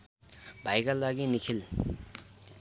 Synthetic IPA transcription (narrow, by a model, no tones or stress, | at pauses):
bʱajkalaɡinikʰil